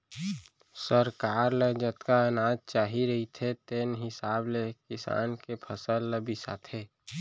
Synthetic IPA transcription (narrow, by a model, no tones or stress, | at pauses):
səɾkaːɾled͡ʒət̪kaənaːd͡ʒt͡ʃaːɦiɾəɦit̪ʰet̪eːnɦɪsaːblekɪsa̰ːnkepʰəsəlːəbisa̰t̪ʰeː